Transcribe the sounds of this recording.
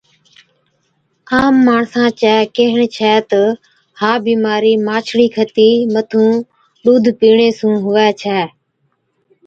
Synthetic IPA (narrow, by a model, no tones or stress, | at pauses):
aːmːaːɳsãːt͡ʃɛːkeːɦəɳt͡ʃʰɛːt̪ə | haːbiːmaːɾiːmaːt͡ʃʰɽiːkʰət̪iːmət̪ʰũː | ɗuːd̪ʱpiːɳeːsũːɦʊʋɛːt͡ʃʰɛː